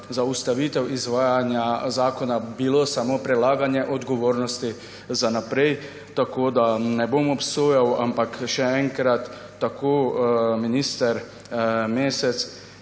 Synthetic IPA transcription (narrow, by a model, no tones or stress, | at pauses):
zaust̪aʋiːt̪ɛwizʋaːjanjazaːkɔnabilosamopɾɛlaːɡanjɛʔɔd̪ɡɔʋoːɾnɔst̪i | zanapɾɛj | t̪akoːd̪anɛbomɔpsoːjawa̰mpakʃɛɛŋkɾat̪ː | akoːminiːst̪ɛɾ | meːsɛt̪s